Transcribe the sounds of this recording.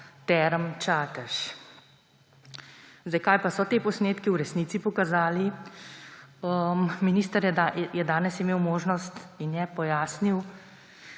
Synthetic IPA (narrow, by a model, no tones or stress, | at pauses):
t̪ɛɾəmt͡ʃaːt̪əʃ | zd̪ajkaːjpasɔt̪eːpɔsneːt̪kiwɾɛsnit̪sipɔkazaːli | əmminiːst̪əɾjɛajɛd̪aːnɛsimeːwmoːʒnɔst̪injɛpɔjaːsniw